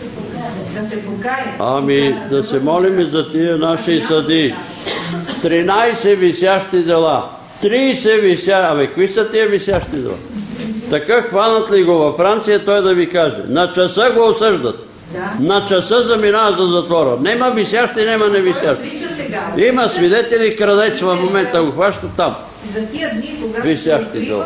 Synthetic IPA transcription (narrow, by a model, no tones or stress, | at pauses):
amid̪ɐsɛmɔlimizɐt̪iɛnaʃisɐd̪i | t̪ɾinajsɛvisjaʃt̪id̪ɛlˠa | t̪ɾiːsɛvisjaamɛkvisɐt̪iɛvisʲjaʃt̪id̪ɛ̰lˠa̰t̪ɐkaxvanɐt̪liɡovɐfɾant̪sijɐt̪ɔjd̪ɐvikaʒɛ̰nɐt͡ʃɐsəɡoosəʒd̪ɐət̪̚ | nɐt͡ʃɐsəzɐminaəzɐzɐt̪vɔɾənɛmɐvisjaʃt̪inɛmɐnɛvisjaʃt̪ | imɐsvid̪ɛt̪ɛlikɾɐd̪ɛt̪svɐfmomɛnt̪əɡoxvaʃt̪ət̪ːam | visjaʃt̪id̪ɛ̰lˠa̰